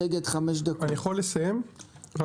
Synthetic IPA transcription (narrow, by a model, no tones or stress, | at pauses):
eɡed̪χameʃ̬d̪akanijaχolːesajemv